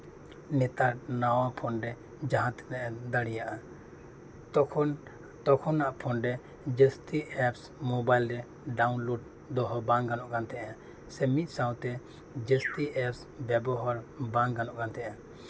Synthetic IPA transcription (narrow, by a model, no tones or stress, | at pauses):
nɛt̪aɾnawapʰɔnɾɛ | d͡ʒaɦãt̪nɛʔɛd̪aɽijaʔa | t̪ɔkʰɔnaʔpʰɔnɾɛ | d͡ʒɛstiʔɛps | mɔbajlɾɛ | ɖaunloɖ | d̪ɔɦɔbãŋɡanɔʔkant̪ʰɛʔã | sɛmit̪̚ˀsãwt̪ɛ | d͡ʒəstiɛps | bɛbɔɦaɾbãŋɡɡanɔʔkant̪ʰɛʔã